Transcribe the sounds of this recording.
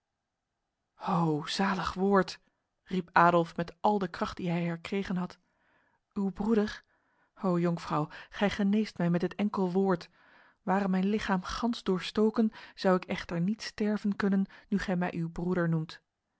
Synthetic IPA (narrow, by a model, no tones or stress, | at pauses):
owz̥aːləχʋoːɹt | ripaːdɔlˠfmɛtʔɑlˠdəkrɑχt̚diɦɛjɦɛɹkrejχənɦɑt | ywbrudəɹ | owjɔŋfrɑwχɛjχənejstmɛjmɛtɦətɛŋkəlˠʋʊːɹt | ʋaːrəmɛjnlɪχaːmχɑnzdʊːɹstowkənz̥ɑwɪkɛχtəɹnitstɛɹvənkɵnənːyχɛjmɛjʔywbruɾəɹnumt